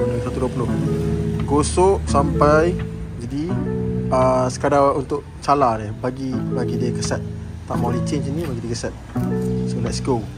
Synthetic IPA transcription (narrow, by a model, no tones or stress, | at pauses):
lusat̪uduapulʊh | ɡosɔʔsampaj | d͡ʒadi | əsə̥kadaunt̪ʊʔ | t͡ʃaladɛhbaɡibaɡidiəkəsɛt̪̚ | t̪aʔmalit͡ʃeninimaɡd͡ʒadikəsɛt̪̚səbəlaʔskow